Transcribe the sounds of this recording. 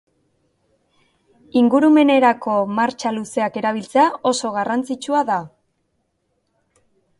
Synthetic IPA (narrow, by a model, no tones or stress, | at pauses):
iŋɡuɾume̞ne̞ɾako̞maɾt͡ʃaluse̞ake̞ɾaβ̞ilt͡seao̞so̞ɣarant͡sit͡ʃuaða